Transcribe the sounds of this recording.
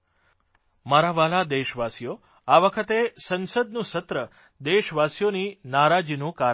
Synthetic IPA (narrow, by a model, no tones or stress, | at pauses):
maɾaʋalad̪eʃʋasijo | aʋəkʰət̪esənsəd̪nũsət̪ɾə | d̪eʃʋasjoninaɾad͡ʒinũka